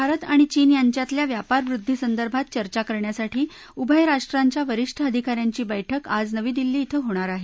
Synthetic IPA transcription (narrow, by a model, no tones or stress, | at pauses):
bʱaɾət̪aɽ̃it͡ɕiːnjaɲt͡ɕjat̪ljaʋjapaɾʋɾud̪ʱːisənd̪əɾbʱat̪̚t͡ɕəɾt͡ɕakəɾɳjasaʈʰiː | ubʱəjɾaʂʈɾaɲt͡ɕjaʋəɾiʂʈʰəəd̪ʱikaɾjaɲt͡ɕiːbəjʈʰəkad͡znəʋiːd̪ilːiːt̪ʰəɦoɽ̃aɾaɦe